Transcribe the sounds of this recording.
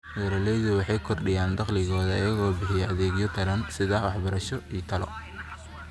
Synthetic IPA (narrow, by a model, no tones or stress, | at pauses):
wɛɾɐlɛjðʊwɑħɑjkʰɔrɖɪjaːnd̪ɐqlɪɣɔːðɐɪjɐɣɔːbɪħɪjɛʔɐðeːɣɪjɔt̪ʰɐɾɐnsɪðɐwɑħbɐɾɐʃɔiːt̪ʰɐlɔ̰